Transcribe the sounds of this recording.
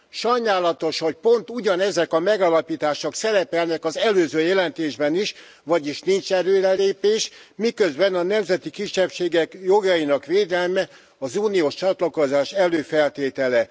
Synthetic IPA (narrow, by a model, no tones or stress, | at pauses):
ʃɒjnaːlɒt̪o̞ʃho̞c̚po̞nt̪uɟɒnɛzɛkɒmɛɡalɒpiːt̪aːʃoksɛɾɛpɛlnɛkɒzɛløːzøːjɛlɛnt̪eːʒbɛniʃ | vɒɟiʃnint͡ʃɛɾøːɾɛleːpeːʃmikø̞zbɛnɒnɛmzɛt̪ikiʃːɛpʃeːɡɛkjo̞ɡɒinɒkʋeːd̪ɛlmɛ | ɒzuːnioːʃt͡ʃɒt̪lɒkozaːʃɛløːfɛlt̪eːt̪ɛlɛ